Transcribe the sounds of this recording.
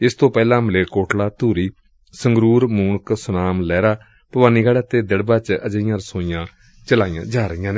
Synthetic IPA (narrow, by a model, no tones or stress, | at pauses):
ɪst̪õːpɛːlãːməleːkoːʈlaːt̪uːɾiː | səŋɡɾuːɾmuːɳksʊnaːmlɛːɾaː | pəʋaːniːɡaːɽaːt̪eːd̪ɪɽbãːt͡ʃəd͡ʒəɪjãːɾəsoːijãː | t͡ʃəlaːijã̰ːd͡ʒaːɾəjãːne